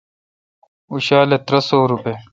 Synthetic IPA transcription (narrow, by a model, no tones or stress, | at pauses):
uɕaːlet̪ɾɐsoːɾupe